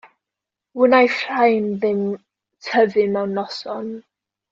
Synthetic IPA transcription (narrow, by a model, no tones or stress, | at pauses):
wənajfrajnðɪn | tʰəvɨmɛwnːɔsɔn